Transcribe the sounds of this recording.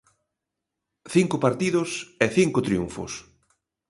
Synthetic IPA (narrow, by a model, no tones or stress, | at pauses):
θiŋkʊpaɾt̪iðʊseθiŋkʊt̪ɾiuɱfʊ̰s